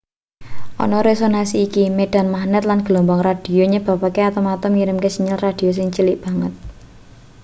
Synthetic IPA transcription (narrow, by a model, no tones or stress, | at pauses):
ʔɔ̰nɔɾesonasiːkimeɖ̥a̤nmahnət̪̚lanɡ̥əlombɔŋrad̥i̤joɲəb̥a̤pakeat̪ɔmat̪ɔmŋiɾɪmkesiɲɪlrad̥i̤jos̬ɪŋt͡ʃilɪʔb̥a̤ŋət̪̚